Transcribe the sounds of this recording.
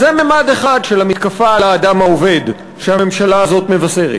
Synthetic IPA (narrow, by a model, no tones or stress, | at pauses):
zememad̪eχad̪ʃe̞lamit̪kafalaːdamaove̞d | ʃeamemʃalaːzo̞t̪me̞vase̞ʁḛt